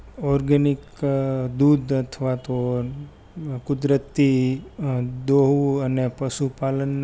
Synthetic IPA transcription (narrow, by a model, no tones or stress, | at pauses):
ɔɾɡənik | d̪ud̪ət̪ʰʋat̪o | kʊd̪ɾət̪ːi | d̪oɦuənepəʃupalənː